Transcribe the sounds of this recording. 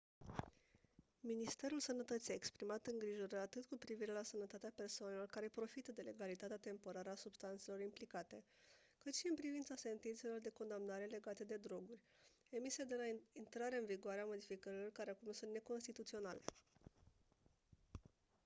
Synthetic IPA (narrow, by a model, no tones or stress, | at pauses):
minist̪e̞ɾulsənət̪ət̪sijaekspɾimat̪ɨŋɡɾiʒoɾəat̪ɨt̪kupɾiviɾe̞lasənət̪at̪eape̞rsoane̞lo̞rkaɾe̞pɾo̞fit̪əd̪e̞leɡalit̪at̪eat̪e̞mpo̞ɾaɾəasubst̪ant̪selo̞ɾimplikat̪e̞ | kɨt̪ʃiɨnpɾivint̪sase̞nt̪int̪se̞lo̞rd̪e̞ko̞nd̪amnaɾe̞le̞ɡat̪e̞d̪e̞d̪ɾo̞ɡurʲ | e̞misied̪e̞laint̪ɾaɾe̞ɨnviɡoaɾeamo̞d̪ifikəɾilo̞rkaɾeakumnusunt̪ne̞ko̞nst̪it̪ut̪sio̞nale̞̰